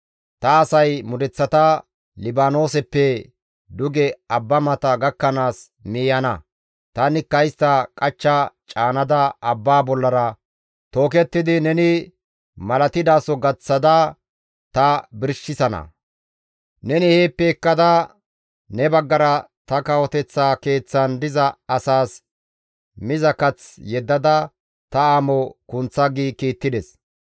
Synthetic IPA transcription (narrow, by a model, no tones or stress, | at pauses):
t̪ɐːsɐjmʊd̪ɛt͡sːɐt̪ɐ | lɪbaːno̞ːsɛpːɛ | d̪ʊɡɛɐbːɐmɐt̪ɐɡɐkːɐnaːs | miːjɐnɐ | t̪ɐnɪkːɐjɪst̪ɐkʼɐt͡ʃːɐt͡ʃʼaːnɐd̪ɐɐbːaːbɔlːɐɾɐ | t̪o̞ːkɛt̪ːɪd̪ɪnɛnɪ | mɐlɐt̪ɪd̪aːsɔɡɐt͡sːɐd̪ɐ | t̪ɐbɪɾʃːɪsɐnɐ̰ | nɛnɪheːpːeːkːɐd̪ɐ | nɛbɐɡːɐɾɐ | t̪ɐkɐwɔt̪ɛt͡sːaːke̞ːt͡sːɐnd̪ɪzɐɐsaːs | mɪzɐkɐt͡sjɛd̪ːɐd̪ɐ | t̪ɐaːmɔkʊnt͡sːɐɡiːkiːt̪ːɪd̪ɛs